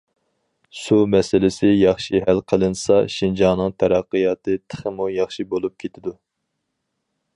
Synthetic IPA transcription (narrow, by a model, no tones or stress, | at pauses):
sumɛsɪlɪsɪjɑχʃiɦælqʰəlˠɨnsɑʃind͡ʒɑnɨŋt̪ʰɛɾæqːɨjɑːt̪ʰɨt̪ʰə̥χəmujɑχʃibolˠup̚kʲʰet̪ʰɪd̪u